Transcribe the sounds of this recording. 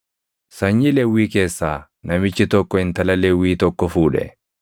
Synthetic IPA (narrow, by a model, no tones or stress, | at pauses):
sɐɲːɪlɛwːiːkeːsːaː | nɐmɪt͡ʃːɪt̪ɔkːɔɪnt̪ɐlɐlɛwːiːt̪ɔkːɔfuːᶑɛ̰